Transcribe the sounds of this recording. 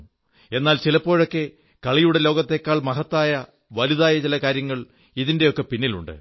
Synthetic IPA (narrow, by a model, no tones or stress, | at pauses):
e̞nːaːlt͡ɕilɐpːo̞ːɻo̞kːe̞ | kɐɭijuɽe̞lo̞ːɡɐt̪ːe̞kːaːɭmɐɦɐt̪ːaːjɐ | ʋɐluðaːjɐt͡ɕilɐkaːɾjɐŋːɐɭ | iðinde̞o̞kːe̞pinːilṵɳɖɨ̰